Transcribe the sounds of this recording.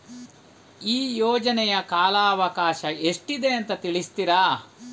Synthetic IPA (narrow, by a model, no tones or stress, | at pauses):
iːjɔːd͡ʒɐnɛjɐkaːlaːɐʋɐkaːʃɐeʂʈid̪e̞ːnt̪ɐt̪iɭist̪iɾa